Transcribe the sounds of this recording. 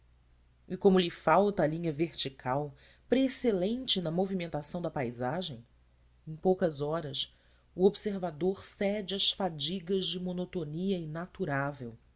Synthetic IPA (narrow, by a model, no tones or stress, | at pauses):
ikõmʊlɪfawt̪ɐːlĩɲɐveɾt͡ʃikʰaw | pɾeːselẽnt͡ʃɪnɐmovimẽnt̪asɐ̃w̃d̪ɐpajzaʒẽj̃ | ẽj̃powkɐzɔɾɐs | uobseɾvad̪oɾsɛd͡ʒɪɐsfad͡ʒiɡɐzd͡ʒɪmonot̪oniɐinat̪uɾavew